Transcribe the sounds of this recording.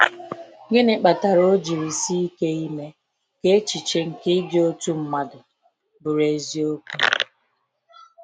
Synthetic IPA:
ɡɪ˦nɪ˨k͡pa˨ta˨ɾo˦d͡ʒi˨ɾi˨si˦i˦ke˦i˦me˦ | ke˦t͡ʃi˨t͡ʃe˦ŋ̩˨kɪ˦d͡ʒo˦tu˦m̩˦ma˨dʊ˨ | bʊ˨ɾe˨zi˦o˦ku˦

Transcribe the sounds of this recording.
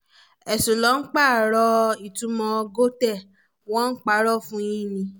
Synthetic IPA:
ɛ˨su˨lɔ˨˦ŋ̩˦k͡pa˦˨ɾɔ˧i˨tũ˨˧˦mɔ̃˧ɡo˦tɛ˦˨ | w̃ɔ̃˦k͡pa˦ɾɔ˦fũ˦jĩ˦˨nĩ˧

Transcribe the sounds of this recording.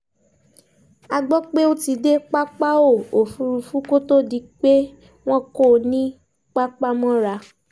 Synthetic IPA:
a˧ɡ͡bɔ˦k͡pe˦o˦ti˧de˦k͡pa˦k͡pa˦o˦˨o˨fu˧ɾu˧fũ˦ko˦to˦di˧k͡pe˦ | w̃ɔ̃˦ko˦˨nĩ˦ | k͡pa˦k͡pa˦mɔ̃˦ɾa˧

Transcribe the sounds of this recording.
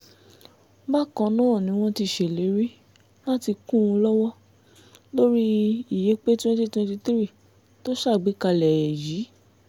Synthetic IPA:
ba˦˨kɔ̃˧nãː˦˨nĩ˨˦w̃ɔ̃˦ti˧ʃe˨le˨˦ɾi˦ | la˦ti˧kũ˦˨ũ˧lɔ˦wɔ˦ | lo˦ɾi˦i˦˨je˨˦k͡pe˦tĩ˦wɔ̃˦di˦˨tũ˦ti˧t̪i˦ɾi˦˨ | to˦ʃa˦˨ɡ͡bi˨˦ka˧lɛ˨jɛ˨ji˨˦

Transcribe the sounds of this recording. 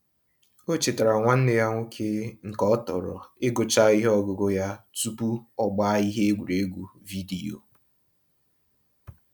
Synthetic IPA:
o˦t͡ʃɪ˨ta˨ɾa˨ŋʷa˦n̩˦nɪ˦ja˦ŋʷo˦kʰe˦ŋ̩˨kɔ˦tɔ̰˨ɾɔ̰˨e˦ɡo˨t͡ʃa˦i˦ɦɔ˦ɡʊ˨˦ɡo˦ja˦tu˦pu˦ɔ˦ɡ͡ba˦i˦ɦe˦e˦ɡʷu˨ɾe˨e˦ɡʷu˨ | vi˦di˨o̰˨

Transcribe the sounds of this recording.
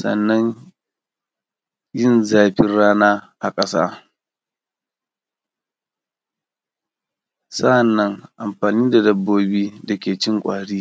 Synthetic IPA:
sɐ̰˨nːɐ˦ɲ | jɪ˦˨nzaː˨ɸɪ˦nɽaː˦naː˦ʔa˨kʼɐ˦sa̰ː˦ | sɐ˦ʔa˨nːɐ˦ŋʔa˨mɸaː˨niː˦da˨dɐ˦bːoː˦biː˦dɐ˨kʲeː˨t͡ʃɪ˦ŋkʷʼaː˨ɽiː˦

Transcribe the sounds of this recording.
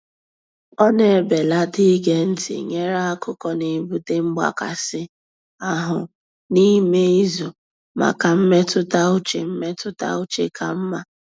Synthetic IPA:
ɔ˦ne˨e˨be˨la˦ti˦ɡe˨n̩˦tɪ̰˨ɲe˦ɾa˦a˦kʊ˦kɔ˦ne˨bu˦te˦ŋ͡m̩˦ɡ͡ba̰˦ka̰˨sɪ˦ | a˨ɦʊ˨ | ni˦me˦i˦zo˨ | ma̰˨ka˨m̩˦me˦tʊ˦ta˦ʊ˦t͡ʃḛ˨m̩˦me˦tʊ˦ta̰˦ʊ˦t͡ʃe˦ka˨m̩˦ma˨

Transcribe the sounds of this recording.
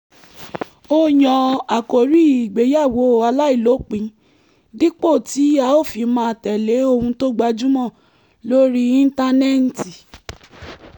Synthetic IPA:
o˦jɔ̃˧a˨ko˨ɾi˦i˨ɡ͡be˨˦ja˦˨wo˨˦˨a˧la˦i˦˨lo˨˦k͡pĩ˨˧˦ | di˦k͡po˦˨ti˨˦a˧˦o˦˨fi˧˦mãː˧˨tɛ˨le˨˦o˧hũ˧to˦ɡ͡ba˧d͡ʒũ˦mɔ̃˦˨ | lo˦ɾi˦ĩ˦n̩˦ta˧nɛ˦n̩˨ti˨

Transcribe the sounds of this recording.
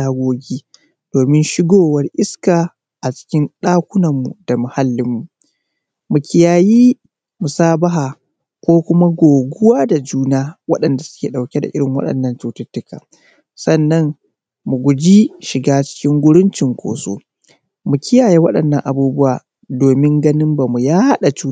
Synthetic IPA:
aː˦ɡʷoː˦ɡʲiː˦ | d̥oː˨mɪ˦nʃɪ˦ɡoː˦wɐ˦rʔɪ˦skaː˨ | ʔa˨t͡ʃɪ̥˦kʲɪ˦nɗaː˦kʷʊ˦nɐ˨mːu˨da˨mʊ˨ha˦lːɪ˦mːu˨ | mu˨kʲɪ˦jaː˨jiː˦ | mʊ˨saː˦ba˦ɦaː˨ | kʷoː˦kʷʊ˦ma˦ɡʷoː˨ɡʷʊ˦waː˦da˨d͡ʒuː˦naː˦wɐ˦ɗɐ˨nda˨sʊ̥˦kʲeː˨ɗa˨wkʲe˦da̰˨ʔɪ˦ɽɪ˨ŋwɐ̰˦ɗɐ̰˨nːɐ˦ntu˦tʊ˦tːʊ˦ka̰ː˨ | sɐ˦nːɐ˦n | mu˨ɡʷʊ˨d͡ʒi˦ʃɪ˨ɡaː˦t͡ʃɪ̥˦kʲɪ˦ŋɡʷʊ˦ɽʊ˦nt͡ʃɪ˨ŋkʷo̰ː˨so̰ː˦ | mu˨kʲɪ˦jaː˨ji˦wɐ˦ɗɐ˨nːɐ̰˦˨ŋʔa˨buː˦bʊ˦waː˨ | doː˨mɪ˦ŋɡɐ˦nɪ˦mba˨mu˨jaː˦ha˦ɗa˨t͡ʃuː˦

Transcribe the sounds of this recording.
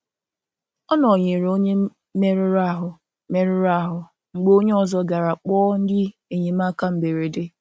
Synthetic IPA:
ɔ˦nɔ˨ɲe˨ɾo˦ɲe˦ | me˦ɾɪ˦ɾa˦˨ɦʊ˨ | me˦ɾɪ˦ɾa˦˨ɦʊ˨ | ŋ͡m̩˨ɡ͡bo˦ɲe˦ɔ˨zɔ˦ɡa˨ɾa˨k͡pɔː˦n̩˦dɪ˦e˨ɲe˨ma˦ka˦m̩˦be˨ɾe˨de˦

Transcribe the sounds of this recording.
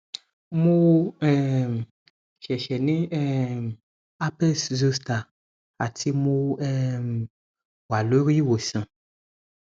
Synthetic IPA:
mu˦wɛ˦˨m˨ | ʃɛ˨ʃɛ˨nĩ˦ɛ˦m | a˦pɛ˦szo˦sta˨ | a˨tʰi˦mo˦wɛ˦m | wa˨lo˦ɾi˦wo˨sã˨

